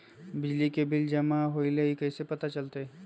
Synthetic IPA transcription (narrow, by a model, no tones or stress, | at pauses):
bɪd͡ʒlikebɪld͡ʒɐmaɦoːileikɐːsepɐt̪at͡ʃɐlt̪eɛ